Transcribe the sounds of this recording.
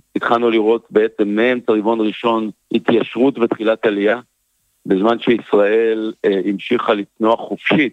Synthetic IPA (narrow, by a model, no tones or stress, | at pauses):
it̪χalnuliʁo̞tbeet͡se̞mːehemt͡saʁivo̞nʁiʃo̞nhit̪jaʃʁutvet̪χilatalija | bezmanʃeisʁaʔe̞limʃiχalitnoaχofʃit